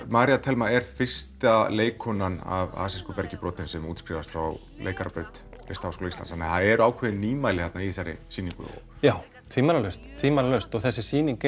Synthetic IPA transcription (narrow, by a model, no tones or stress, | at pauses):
maːɾijat̪ʰɛlmaɛɾ̥fɪ̥st̪aleːjkʰɔnana̰va̰ːsɪskʏpɛɾcɪpɾɔːt̪ɪnsɛmuːt̪skɾivast̪fɾaw | lḛːjkaɾapɾœɥt̪ | ḛst̪ahawskʰoːlislanshanːaθaðɛɾaːwkʰvɛðɪnːiːmaːjlɪhɛt̪naiθajɾɪ̰siːniŋkʏ̰o̰ | jaːw | t̪ʰviːmalalœst̪t̪ʰviːmalalœst̪ɔɣθɛsːɪsiːniŋk